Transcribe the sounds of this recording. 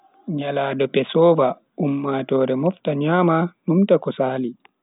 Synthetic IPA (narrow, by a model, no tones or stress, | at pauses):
ɲalaːdɔpɛsɔːva | ʔumːaːtɔːɾɛmɔftaɲaːmanumtakɔsaːli